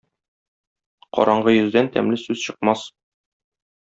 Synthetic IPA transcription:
qɒ̰ɾʔɑɴɢɤjɵ̆zd̪ænt̪æ̰mlɘsʉzɕɤ̆q̚mɑs

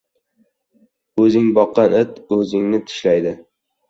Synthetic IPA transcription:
ɵzɪŋbɒqːɑnɪt̪ɵzɪŋnɪt̪ʰɪ̥ʃlajd̪ɪ

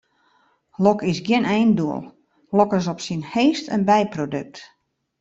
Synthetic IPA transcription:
lɔkɪsɡjɪnɛjnduəlˠ | lɔkɪs̬ɔpsinheːstə̰nbɛjprodøk̚t

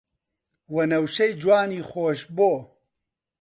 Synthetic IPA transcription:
wɐnɐwʃɐjd͡ʒwaːniːxoːʃboː

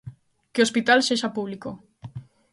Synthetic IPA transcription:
keospit̪alseʃapuβ̞liko

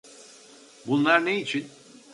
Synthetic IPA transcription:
bunlˠaɾne̞it͡ʃʰin

